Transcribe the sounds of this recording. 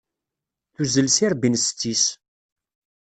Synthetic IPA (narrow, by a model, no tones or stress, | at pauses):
θuzəlsiɾbinst͡sːis